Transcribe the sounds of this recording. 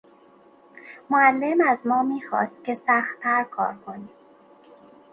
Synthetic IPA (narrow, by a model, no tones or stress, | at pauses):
moælːemæzmɒːmiːxɒ̰ːst̪̚kʲe̞sæxt̪ʰæɾkʰɒ̰ːɾkʰo̞niː